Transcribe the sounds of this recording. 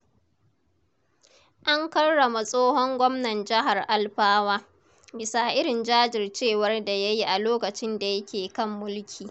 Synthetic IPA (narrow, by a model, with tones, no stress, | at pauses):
ʔa˦ŋkɐ˦rːɐ˨ma˨sʼoː˦ɦɔ˦ŋɡʷɔ˦mnɐ˨nd͡ʒɪ˦ɦa˨rʔa˦lɸaː˦waː˦ | bɪ˨sa˨ʔɪ˦ɾɪ˨nd͡ʒaː˦d͡ʒɪ˨rt͡ʃeː˦˨wɐ˦rda˨ja˦ji˦ʔa˨loː˦kɐ˨t͡ʃɪ˦nda˨jɐ˦kʲʰeː˨kɐ˦mːʊ˦lkʲʰiː˨